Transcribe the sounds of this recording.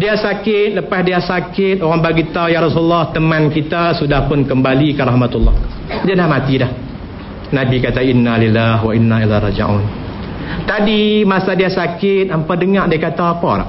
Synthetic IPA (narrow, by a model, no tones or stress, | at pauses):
diasakɪt̪̚ləpasdiasakɪt̪̚oɣaŋbaɡit̪aujaɾɔsululːaht̪əmankit̪asudahpʊnkəmbalikarahmat̪ulːɑ̰h | d͡ʒanlahmat̪idah | nabikat̪ainːalilːaɦwainːailarɑ̰d͡ʒa̰ʕṵn | t̪adimasadiasakɪt̪̚ampadəŋaʔdiakat̪aapa̰la̰